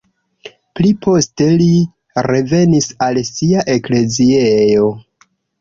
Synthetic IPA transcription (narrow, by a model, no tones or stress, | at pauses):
plipʰo̞ste̞li | ɾe̞ve̞nisalsiaʔe̞kle̞ziejo̞